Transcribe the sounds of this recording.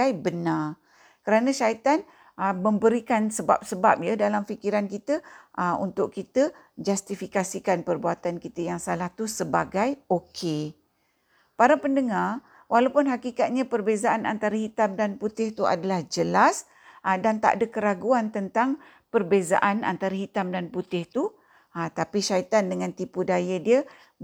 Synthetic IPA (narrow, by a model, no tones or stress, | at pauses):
ajbənar | kəɾanãʃait̪an | əmə̃mbəɾikansəba̰p̚səbap̚jadalamfikiɾankit̪əʔəṵnt̪ʊʔkit̪ə | d͡ʒast̪ifikasikanpərbuat̪ankit̪əjaŋsalaht̪usəbaɡajokʰe | paɾapəndəŋar | wʔalawpʊnɦakikat̪̚ɲãpərbezaʔana̰nt̪aɾahit̪amdanput̪ɪht̪ua̰dalahd͡ʒəlas | ʔədant̪a̰ʔadakəɾaɡuant̪ənt̪aŋ | pərbeza̰ʔana̰nt̪aɾaɦit̪amdanput̪ɪht̪u | ət̪apiʃait̪andəŋãnt̪ipudajadiə